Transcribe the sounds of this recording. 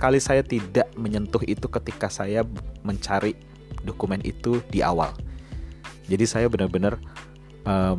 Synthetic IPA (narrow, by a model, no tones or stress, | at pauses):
kalisajat̪idaʔməɲənt̪ʊɦit̪ukət̪ikasajaməɲt͡ʃaɾi | dokumɛnḭt̪udiʔa̰wa̰l | d͡ʒadisajabənərbənər | ʔəm